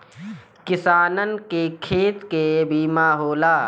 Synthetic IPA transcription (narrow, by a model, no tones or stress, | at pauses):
kɪsaːnənkekʰeːt̪kebʱiːmaːɦoːlaː